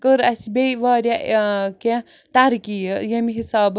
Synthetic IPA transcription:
kəɾɐsibeʋaːɾʲjakẽ | t̪aɾkijəjɐmiɦisaːb

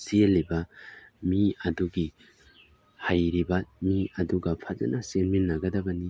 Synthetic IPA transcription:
sielːibɐmiɐduɡi | hajɾibɐmiɐduɡɐpʰɐzɐ̰nʔɐsenminːɐɡɐdɐbɐni

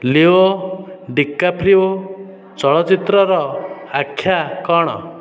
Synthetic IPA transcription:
lioɖikːapʰɾio | t͡ʃɔɭɔt͡ʃit̪ɾɔɾɔakʰːjakɔɽ̃ɔ̰

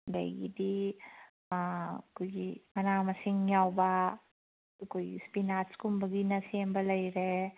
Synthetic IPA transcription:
lɐ̰jɡḭdi | kojɡimɐnamɐsiŋjawba | kojspinaskumbɐɡinɐsembɐlɐjɾe

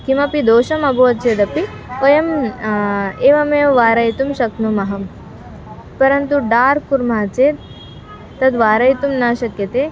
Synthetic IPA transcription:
kimɐpid̪oːʃɐmɐboɐt̪t͡ʃeːd̪ɐpi | ojɐm | eːʋɐmeːʋʋaːɾɐjt̪umʃɐknumɐɦɐm | pɐɾɐnt̪uɖaːɾkuɾmaːt͡ʃeː | t̪ɐt̪ʋaːɾɐjt̪umnaːʃɐkjɐt̪eː

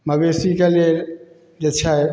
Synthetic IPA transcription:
məbesikeleɾ | d͡ʒet͡ʃʰa

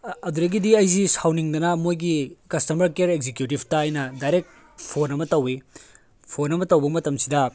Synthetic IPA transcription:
ɐduɾɐɡidiɐjzisawniŋdɐnɐmojɡikɐstɐmɐɾkeɾekzekjutibtɐːjnɐdajɾek̚ | pʰonɐmɐtɐwi | pʰonɐmɐtɐwbɐmɐtɐmsidɐ

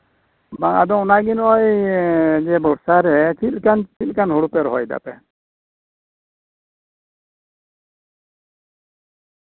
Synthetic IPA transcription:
baŋa̰d̪ɔŋɔnaɡinɔj | d͡ʒɛbɔɽsaɾɛt͡ʃʰil̚ˀkant͡ʃit̪̚kanɦuɽupɛɾɔɦɔjd̪a̰pɛ

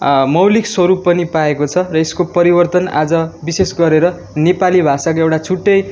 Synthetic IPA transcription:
mʌwlikswʌɾupːʌnipaekot͡sʰʌrʌeskopʌɾibʌrt̪ʌna̰d͡zʌbisesɡʌɾeɾʌ | nepalibʱasak̬oewʈat͡sʰuʈːʌj

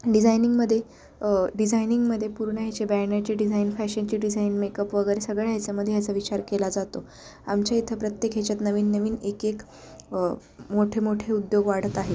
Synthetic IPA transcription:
ɖid͡zajniŋɡməd̪ʱːje | ɖid͡zajniŋɡməd̪ʱːjepuɾɳəɦjat͡ɕebænat͡ɕiɖid͡zʱainfæɕənt͡ɕiːɖid͡zʱainmekəpʋəɡəɾesəɡɭejat͡saməd̪ʱːejat͡saʋit͡ɕaɾkelad͡zat̪o | a̰mt͡ɕjait̪ʰəpɾət̪jekɦet͡ɕjat̪nəʋiːnːəʋiːnekek | moʈʰemoʈʰeud̪joɡʋaɽ̤ət̪aɦe

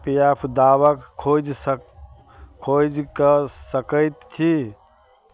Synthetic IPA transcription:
pijapʰd̪aβəkkʰod͡ʒ | kʰod͡ʒkəsəkəjt̪t͡ʃʰi

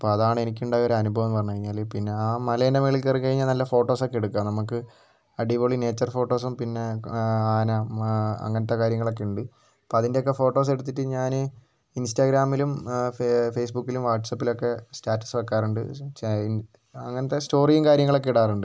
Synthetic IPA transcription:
ipːoːɐðaːɳɨe̞nikʲːuɳɖaːjo̞ɾɐnubʱɐʋɐmːpɐrɐɲːukɐɻiɲːaːlepinːe̞aːmɐleːnɐmeɭilkːɐrikɐɻiɲːɐnɐlːɐfo̞ːʈːo̞ːsokːeɽukːaːmnɐmukːɨ | ɐɖiʋoɭine̞ːt͡ɕːɐrfo̞ːʈːo̞ːs̬umpinːe̞aːnɐɐ̰ŋːɐnɐt̪ːe̞kaːɾjɐŋːɐɭo̞kːe̞uɳɖɨ | pːoɐðindeokːe̞fo̞ːʈːo̞ːs̬e̞ɽut̪ːiʈːɨɲaːnɨ | instaɡɾaːmilum | fejsbukːilumʋaːʈːsɐpːilo̞kːe̞staːʈːɐ̥sʋekːaːruɳɖɨ̰ | ɐŋːɐnɐt̪ːesto̞ːrijɐŋkaːɾjɐŋːɐɭo̞k̬ːeiɽaːruɳɖɨ

